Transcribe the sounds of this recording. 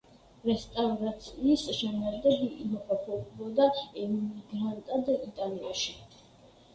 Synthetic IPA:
ɾɛst̪ʼavɾat̪sʰiːsʃɛmɛɾd̪ɛbiʔimɔkʰapʰɔbɔd̪aɛuniɡɾant̪ʼad̪ait̪ʼalia̰ʃi

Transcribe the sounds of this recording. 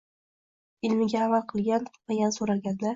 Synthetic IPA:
ɪlmɪɡʲaːmalqʰɨlˠɡʲanvajansoɾaɡʲand̪a

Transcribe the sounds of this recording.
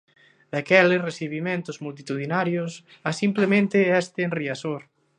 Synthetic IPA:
d̪̥akɛlɪresiβimẽnt̪ʊzmult̪̬it̪uðinaɾjos | asimplemẽnt̪ɪɛst̪ɪːnriasoɾ

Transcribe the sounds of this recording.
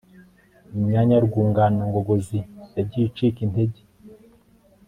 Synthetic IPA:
umɲaɲaɾɡuːŋɡaːnaŋɡoɡozijaɟit͡ʃikinteɟe

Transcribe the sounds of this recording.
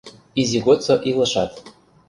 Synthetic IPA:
izʲiɣot͡soʔilˠɤ̆ʃɑt̪

